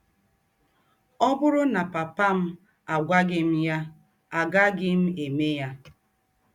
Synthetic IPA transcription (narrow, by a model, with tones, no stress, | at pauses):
ɔ˦bʊ˦ɾʊ˦na˨pa˨pa˦m̩˦ | a˨ɡʷa˦ɡɪ˦m̩˦ja˦ | a˨ɡa˦ɡɪ˦m̩˦e˨me˦ja˦